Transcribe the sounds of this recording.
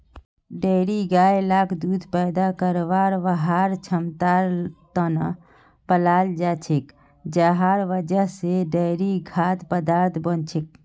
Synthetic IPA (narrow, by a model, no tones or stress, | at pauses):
ɖəjɾiɡajlakʰd̪ud̪pəjd̪akəɾʋaɾʋəɦaɾt͡ʃʰəmt̪aɾt̪ənə | pəlald͡ʒat͡ʃʰik | d͡ʒəɦaɾʋəd͡ʒəɦseɖəɾiɡʱat̪pəd̪aɾt̪ʰbənt͡ʃʰik̚